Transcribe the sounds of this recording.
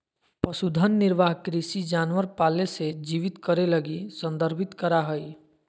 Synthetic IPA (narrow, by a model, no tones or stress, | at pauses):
pəsud̪ʱənːɪɾʋaːɦkɾisid͡ʒaːnwəɾpaːlesed͡ʒiːʋɪt̪kəɾeləɡisə̃nd̪əɾbʱɪt̪kəɾaɦəi